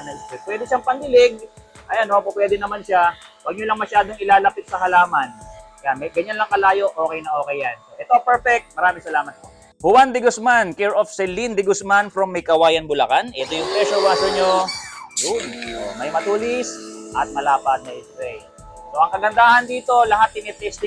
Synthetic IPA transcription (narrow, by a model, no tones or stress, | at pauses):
ɐnɐɡsɛpwɛːd̪ɪʃaŋpɐnd̪ɪlɪɡ̚ʔɐjɐnopopwɛːd̪ɛnɐmanʃawɐɡ̚ɲolɐŋmɐʃaːd̪oŋɪlaːlɐpɪt̪̚sɐhɐlaːmɐnkɐjamɛɡɐɲːanlɐŋkɐlaːjo̞ʔo̞ːkɛjnɐŋʔoːkɛjanʔɛt̪o̞pɛɹfɛk̚t̪̚mɐɾaːmɪŋsɐlaːmɐt̪̚po | bʊwand̪ɪɡʊsmankɛɹofsɛlːind̪ɪɡʊsmanfɾomːɐjkɐwaːjɐnbʊlɐkanʔɛt̪ojʊŋpɾɛʃowaːsoɲojʊnt̪omɐjmɐt̪uːlɪsʔɐt̪̚mɐlaːpɐt̪̚nɐʔɛst̪ɾɛj | soʔɐŋkɐɡɐnd̪aːhɐnd̪iːt̪o̞lɐɦat̪ːɪnɛp̪ɛst̪ɪ